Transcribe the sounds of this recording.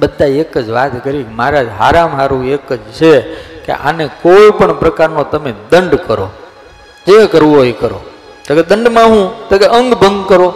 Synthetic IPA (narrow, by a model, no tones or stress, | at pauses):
bəd̪ʱːaekəd͡ʒʋat̪kəɾiemaɾad͡ʒɦaɾamɦaɾũekəd͡ʒt͡ʃʰekḛʔa̰nekoipəɳpɾəkaɾnõt̪əmed̪əɳɖkəɾo̰ | d͡ʒekəɾʋũɦojkəɾo̰ | oked̪əɳɖmãɦũt̪okeʔəŋɡbʱə̃ŋɡkəɾo